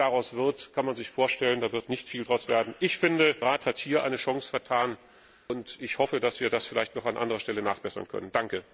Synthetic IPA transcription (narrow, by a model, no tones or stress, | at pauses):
d̥aʁaʊsv̥ɪɐtkʰanmanzɪçfoːɐʃtɛləndaːvɪɐtnɪçtfiːldʁaʊsv̥eːɐdn̩ʔɪçfɪndəʁaːthathiːɐʔa̰ɪnəʃɔŋsfɛɐtʰaːn | ʊntɪçhɔfədasv̥iːɐdasfɪlaɪçtnɔχanʔa̰ndəʁɐʃtɛləna̰ːχb̥ɛsɐ̰nkʰœ̰nənd̥aŋkə